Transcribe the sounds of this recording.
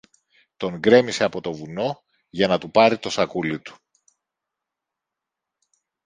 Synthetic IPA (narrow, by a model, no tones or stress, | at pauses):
t̪o̞ŋɡɾe̞mise̞ɐpo̞t̪o̞vuno̞ | ʝɐnɐt̪upɐɾit̪o̞sɐkulit̪u̥